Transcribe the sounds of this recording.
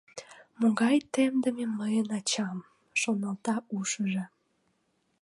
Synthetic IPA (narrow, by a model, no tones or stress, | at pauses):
moɣɑjt̪emd̪əmeməjənɑt͡ɕɑm | ʃonɑlt̪ɑuʃəʒe